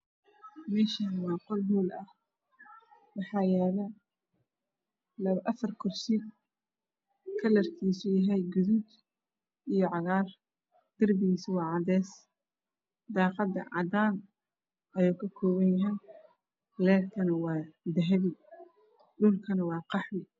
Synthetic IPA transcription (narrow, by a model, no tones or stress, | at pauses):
mɛːʃɐnmɑːqɔlɦuːlɐh | wɑħɑːjɛːlɐ | lɐβʔɐfɐrkʰɔrsid | kʰɐlɐrk̪ʰiːsujɐɦɛjɡʊðud̪ | ijɞʕɑɣaːr | d̪̥ɪrbɪɣiːswɑːʕɑd̪ɛːs | d̪ɑːqɑd̪ɐ̰ʕɑ̰d̪aːn | ʔɐjuːkʰɐkʰɔːβɐnjɐɦɛj | lɛːrk̪ʰɐnɐwɑːd̪ɐɦɐβɪ | ɖʊlkʰɐnɐwɑːqɑħwɪ